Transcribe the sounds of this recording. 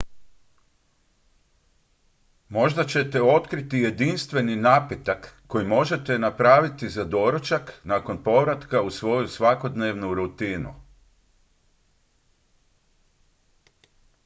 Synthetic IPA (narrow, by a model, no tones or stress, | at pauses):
mo̞ʒd̪at͡ɕe̞t̪e̞o̞t̪kɾit̪ije̞d̪inst̪ʋe̞ninaːpet̪akːo̞jimo̞ʒe̞t̪e̞napɾaːʋit̪izad̪o̞ɾot͡ʃaknaːko̞npo̞ʋɾat̪kausʋo̞jusʋako̞d̪neːʋnuɾut̪iːnṵ